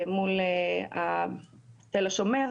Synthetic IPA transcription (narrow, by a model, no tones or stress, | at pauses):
mulea | t̪elosomeɐð